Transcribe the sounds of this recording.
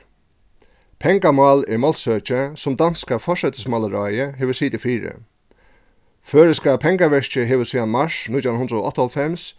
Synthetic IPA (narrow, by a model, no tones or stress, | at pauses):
pʰɛŋkamɑːlɛɹmɔlt̪søːt͡ʃɪsʊmd̪anskafɔʂɛt̪ɪsmalaɾajəɦɛːʋəsiːt̪ɪfiːɾɪ̰ | føːɹɪskapʰɛŋkaʋɛɹt͡ʃɪɦeːʋəsiːanmaʂnut̪jawnʊnd̪ɾəoɔ̰ht̪ɔlfɛms